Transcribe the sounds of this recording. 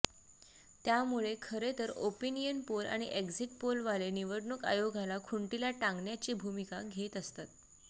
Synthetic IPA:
t̪jamuɭekʰəɾet̪əɾopinijənpola̰ɽ̃iʔekziʈpolʋaleniʋəɽɳuka̰joɡʱalakʰuɳʈilaʈãŋɡɳjat͡ɕiːbʱumikaɡʱet̪əst̪at̪̚

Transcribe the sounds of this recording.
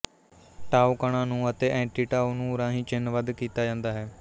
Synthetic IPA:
ʈaːukəɽ̃ãːnũːət̪eːʔɛ̃ːɳʈiːʈaːuːnũːɾãːɦĩːt͡ʃɪnʋəd̪kiːt̪aːd͡ʒãːnd̪aːɦɛː

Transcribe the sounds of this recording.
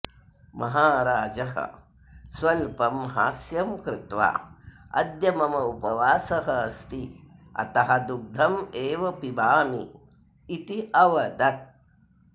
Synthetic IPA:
mɐɦaːɾaːd͡ʒɐɦɐ̰ | swɐlpɐmɦa̰ːsjɐmkɾɪt̪ʋa̰ːɐ̰d̪jɐmɐmɐupɐʋaːsɐɦɐɐst̪iɐ̰t̪ɐɦɐd̪uɡ̚d̪ʱɐmeːʋɐpibaːmḭː | t̪iʔɐʋɐd̪ɐt̪̚

